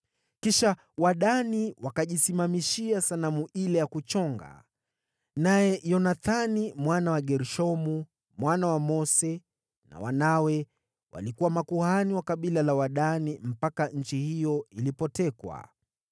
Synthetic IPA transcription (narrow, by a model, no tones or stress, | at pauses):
kiʃa | waɗaniwakaʄisimamiʃiasanamuʔilɛjakut͡ʃɔŋɡa̰ | najɛjɔnaθanimwanawaɠɛɾuʃɔmu | mwanawamɔsɛ | na̰wa̰nawɛ | wa̰likuwamakuhaniwakaɓilalawaɗanim̩pakaɲ̩t͡ʃihijɔilipɔtɛkwa̰